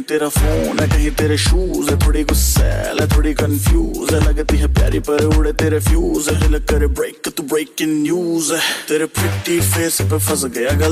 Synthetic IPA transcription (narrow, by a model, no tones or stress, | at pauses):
t̪eːɾafʰoːnɛkɐɦĩt̪eːɾeʃuːzɛt̪ʰoːɽikosɛ̰lɛt̪ʰoːɽikənfʰjuːzɛlãːket̪iɦãpja̰ːɾipɐɾeʊɽet̪eːɾefʰjuːzɛt̪eːlekəɾebɾeːkt̪ubɾeːkɪ̃ŋnjuːzɛt̪eːɾepɾɪʈifʰeːspepʰɐsɡɐjaɡɐ